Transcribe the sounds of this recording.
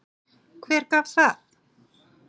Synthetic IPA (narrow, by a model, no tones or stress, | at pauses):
kʰvɛːɾ̥kaːvθaθ